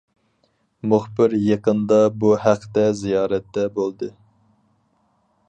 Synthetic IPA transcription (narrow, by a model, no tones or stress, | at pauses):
mʊχbɪɾjeqənd̪ɑbuhæqʰt̪ɛzijɑːɾɛt̪ːɛbolˠd̪ɨ